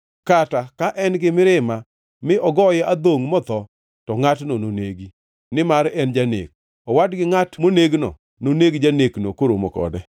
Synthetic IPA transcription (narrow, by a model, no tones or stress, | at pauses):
katakaʔɛnɡɪmɪɾɪma | mɪʔɔɡɔjɛad̪oŋmɔt̪ɔ | tɔŋatnononeɡi | nɪmaɾɛnd͡ʒanḛk̚ | ɔwadɡɪŋatmoneɡnɔ̰ | noneɡd͡ʒaneknokoɾomɔkɔ̰dɛ